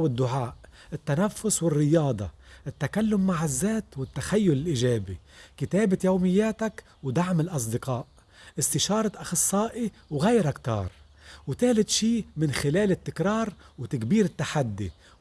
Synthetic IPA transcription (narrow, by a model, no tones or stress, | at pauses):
wɪd̪ːʊʕaːʔ | ʔɪt̪ːanafːʊswɪrːɪjɑːd̪ˤɑ̰ʔɪt̪ːakalːʊmːaʕɪzːeːt̪wɪt̪ːaxajːʊlɪlʔiʒeːbikɪt̪eːbɪjowmɪjːeːt̪ak | wd̪aʕmɪlʔɑs̬ˤd̪ɪqɑːʔ | ʔɪst̪ɪʃɑːɾˤɑʔaxɑsˤːɑːʔi | wɣajɾakt̪ɑ̰ːɾˤ | wt̪ɪhlɪt̪ʃiːmɪnxɪleːlɪt̪ːɪkɾɑːɾˤwt̪akbiːɾɪt̪ːaħad̪ːḭ